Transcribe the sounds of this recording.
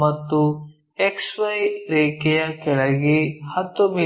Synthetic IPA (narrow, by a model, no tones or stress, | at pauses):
mɐt̪ːu | eksʋɐjɾeːkɛjɐkɛɭɐɡihɐt̪ːumi